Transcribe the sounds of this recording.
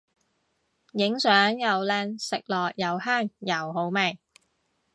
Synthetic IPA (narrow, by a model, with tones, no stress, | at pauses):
jɪ˨˥ŋsœː˨˥ŋjɐ˨wlɛː˧nsɪ˨k̚lɔː˨˩k̚jɐ˨˩whaː˥˩ŋjɐ˨˩wɦo˨˥wmɛ˨˩j